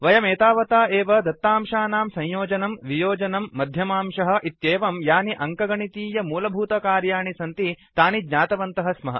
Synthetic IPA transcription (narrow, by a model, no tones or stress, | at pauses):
ʋɐjɐmeːt̪aːʋɐt̪aːʔeːʋɐd̪ɐt̪ːaːmʃaːnaːmsɐ̃ɲjoːd͡ʒɐnɐmʋijoːd͡ʒɐnɐmːɐd̪ʱjɐmaːmʂɐɦɐ̆ʔit̪jeːʋɐmjaːniʔɐŋkɐɡɐɳit̪iːjɐmuːlɐbʱuːt̪ɐkaːɾjaːɳisɐnt̪it̪aːniɡɲaːt̪ɐʋɐnt̪ɐɦɐsmɐɦɐ̰